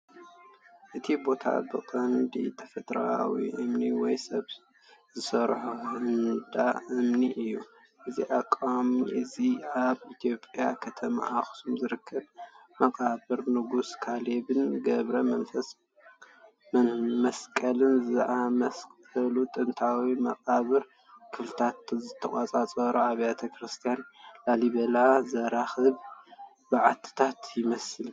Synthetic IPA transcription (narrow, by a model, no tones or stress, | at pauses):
ʔɨt̪ʰibo̞t̪ʰa̰bɨqʼɐnd̪it̪ʰɐfɐt̪ʼɾawḭʔɨmniwɔjsɐβ | zɨsɐɾħuhɨnd̪aʔɨmniʔɨjːu | ʔɨzḭʔakʼːamiʔɨziaβʔit̪ʰijo̞pʼjakʰɐt̪ʰɐma̰ʔaxsumzɨɾɨkʰːɐb | mɐkʼabɨɾnɨɡuskʰaleβɨnɡɐβɾɐɐnfɐ | mɐskʼɐlɨnzɨʔamɐskʼɐlut̪ʼɨnt̪ʰawimɐqʼaβɨɾ | kʰɨflɨt̪ʰat̪zɨt̪ʰːɐχʼat͡sʼat͡sʼɐɾuaβjat̪ʰɐkʰɾɨst̪ʰijanlaliβɐlazɐɾaxɨβ | bɨʕat̪ʰɨ̥t̪ʰat̪jɪmɐsɨl